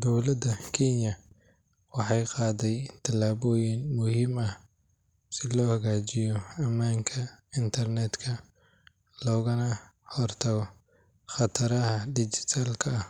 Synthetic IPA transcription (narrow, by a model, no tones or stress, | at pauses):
d̪ɔwlɐd̪ɐkʰɛnjɐ | wɑħɑjqɑːðɛjt̪ʰɐlaːβɔːjɪnmʊhiːmɐh | sɪlɔːhɐɣaːt͡ʃɪjɔɐmːaːŋkʰɐɪnt̪ʰɐrnɛːd̪kʰɐ | lɔːɣɐnɐ | hɔrt̪ʰɐɣɔ | χɑt̪ʰɐɾɐhɐɖɪt͡ʃɪ̥t̪ʰaːlkʰɐːh